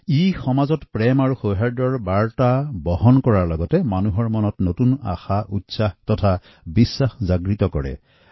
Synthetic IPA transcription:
ixɔmazɔtpɹɛmaɹuxoɦaɹdɔɹbaɹtabɔɦɔnkɔɹaɹlɔɡɔtɛmanuɦɔɹmɔnɔtnotuna̰xaʔutsaxtɔtʰa | bisːaxzaɡɹitɔkɔɹɛ̰

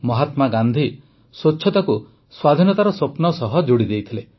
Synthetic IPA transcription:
mɔɦat̪maɡand̪ʱi | sot͡ʃːʃʰɔt̪aku | swad̪ʱinɔt̪aɾɔsopnɔsɔɦɔd͡ʒoɽid̪ejt̪ʰile

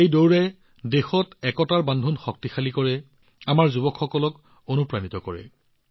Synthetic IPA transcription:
ejdowɹɛ | dexɔtɛkɔtaɹbandʱunxɔk̚tixalikɔɹɛ | amaɹzubɔkʰxɔkɔlɔk | onupɹanitɔkɔɹɛ̰

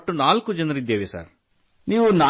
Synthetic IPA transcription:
ʈːunaːlkud͡ʒɐnɐɾid̪ːeːʋesa̰ːɾ | niːʋunaː

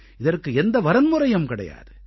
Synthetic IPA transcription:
ɪðɐrkɯɛnd̪ɐʋɐɾɐnmʊɾɐjɐmkɪɽɐ̰ja̰ːðɯ

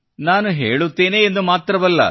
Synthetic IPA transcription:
naːnuɦḛːɭut̪ːeːneːnd̪umaːt̪ɾɐʋɐlːɐ̰

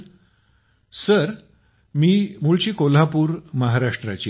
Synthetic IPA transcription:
səɾ | miːmuɭt͡ɕiːkol̤apuːɾməɦaɾaʂʈɾat͡ɕi

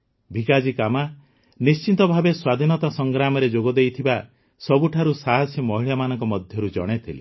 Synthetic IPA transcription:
bʱikad͡ʒikama | nist͡ʃint̪ɔbʱabeswad̪ʱinɔt̪asɔŋɡɾamɔɾed͡ʒoɡɔd̪ejt̪ʰiba | sɔbuʈʰaɾusaɦɔsjɔmɔɦiɭjamanɔŋkɔmɔd̪ʱjɔɾud͡ʒɔ̰ɽ̃et̪ʰile

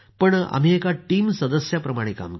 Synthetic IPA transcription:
pəɳa̰m̤iekaʈiːmsəd̪əsjapɾəmaɽ̃eka̰m

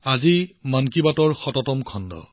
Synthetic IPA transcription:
azimankibatɔɹxɔtɔtɔmkʰɔndɔ̰

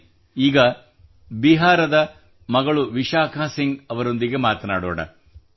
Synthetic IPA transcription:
iːɡɐ | biɦaːɾɐd̪ɐ | mɐɡɐɭuʋiʃaːkʰaːsiŋɡɐʋɐɾo̞nd̪iɡe̞maːt̪ɐna̰ːɽɔ̰ːɽɐ̰

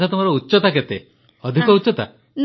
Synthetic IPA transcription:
t̪ʰat̪umaɾɔutːʃɔt̪aket̪e | ɔd̪ʱikɔutːt͡ʃɔt̪a̰ | n

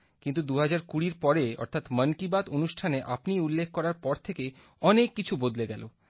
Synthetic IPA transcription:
kint̪ud̪uɦad͡ʑaɾkuɽiɾpɔɾeɔ̰ɾt̪ʰat̪mənkibad̪onuʃʈʰaneʔapniulːekʰːkɔɾaɾpɔɾt̪ʰeke | ɔnekːit͡ɕʰubod̪leɡɛlo

